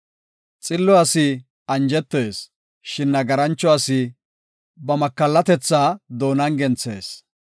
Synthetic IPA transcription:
t͡sʼɪlːɔɐsɪ | ɐnd͡ʒɛt̪ːeːs | ʃɪnːɐɡɐɾɐnt͡ʃːɔɐsɪ | bɐmɐkːɐlːɐt̪ɛt͡sːaːd̪o̞ːnɐŋɡɛnt͡sḛːs

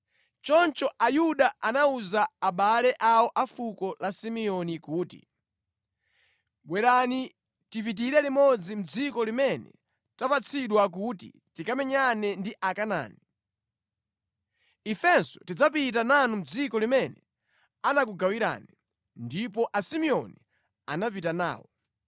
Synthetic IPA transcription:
t͡ʃɔnt͡ʃɔʔajuɗaanauzaːɓalɛʔawɔʔafukɔlasimiɔnikuːtḭ | ɓwɛɾani | tipit̬iɾɛlimɔd͡zim̩d͡zikɔlimɛnɛ̰ | tapat͡sʰiɗwak̬utḭ | tikamɛɲanɛndiʔakana̰ːni | ifɛnsɔtid͡zap̬it̬ananum̩d͡zikɔlimɛnɛ | anak̬uɡawiɾa̰ːnɛ | ndipɔʔasimiɔni | anapitana̰ːwɔ̰

